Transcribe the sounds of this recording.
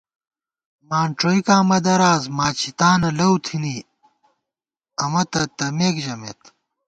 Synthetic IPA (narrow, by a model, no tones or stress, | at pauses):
maːɳʈ͡ʂoːikaːmɐd̪ɐɾaːzmaːt͡ɕʰit̪aːnɐlɐwt̪ʰini | ɐmɐt̪ɐt̪ɐmeːkʑɐmḛːt̪